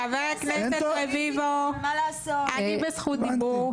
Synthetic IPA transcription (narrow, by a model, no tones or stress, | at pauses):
aveʁakneset̪levivoalaːsoanibesχut̪d̪ibuʁ